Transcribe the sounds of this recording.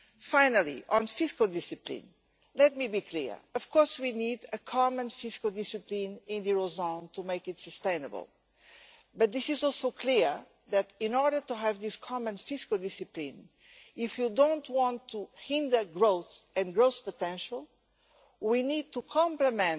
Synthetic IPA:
fãɪnəlˠḭʔə̃nfiskəlˠdɪsɨplḭ̃n | lɛt̚mibikʰlḭɹɔv̥kʰɔɹswinidəkʰɑmə̃nfiskəlˠdɪsɨplĩnɪ̃nðiɹozõntʰumeɪkɨtsəstẽɪ̃nə̰bə̰lˠ | bʌt̪̚ðɪsizɔlˠsoʊkʰliɹ | ðætĩnɔɹɾə˞tuɦævðiskʰɑmə̃nfɪskəlˠdɪsɨplĩn | ifjudõʊ̃ntwɑ̃ntʰːuhĩndə˞ɡɹoʊθɛ̃nɡɹoʊspətɛ̃nʃəl̩ˠ | winid̚tukʰɑ̃mpləmɛ̃n

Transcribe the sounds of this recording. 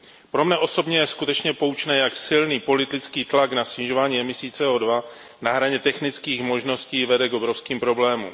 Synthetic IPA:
pɾo̞mnɛʔo̞so̞bɲɛjɛskut̪ɛt͡ʃɲɛpo̞wt͡ʃnɛːjaksɪlniːpo̞lɪt̪ɪt͡skiːt̪laknasɲɪʒovaːɲiːɛmɪsiːt͡sɛoːdva | naɦɾaɲɛt̪ɛxnɪt͡skiːxmo̞ʒno̞sciːvɛdɛɡo̞bɾo̞fskiːmpɾo̞blɛːmṵm

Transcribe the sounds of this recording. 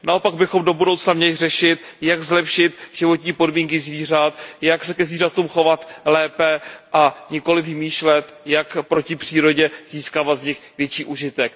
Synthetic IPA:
nao̞paɡbɪxo̞mdo̞budo̞wt͡snamɲɛlɪrɛʃɪt̪̚ | jaɡzlɛpʃɪt̪ʒ̥ɪvo̞t̪ɲiːpo̞dmiːŋk̬ɪzviːr̝at̪̚jaksɛkɛzviːrat̪uːmxo̞vat̪lɛːpɛʔaɲɪko̞lɪvɪmiːʃlɛt̪jakpɾo̞cɪpr̥iːɾo̞ɟɛz̥iːskaːvat̪zɲɪxvjɛt͡ʃiːʔuʒɪt̪ɛk

